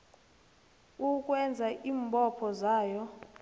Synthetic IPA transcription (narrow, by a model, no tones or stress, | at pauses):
uk̬ʼwɛnd͡zʱaʔiːmbʼɔpʰɔzaːjɔ